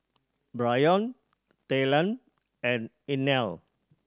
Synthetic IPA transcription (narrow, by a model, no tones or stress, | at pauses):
bɹajɔ̃n | t̪elə̃n | ɛ̃n | inɛl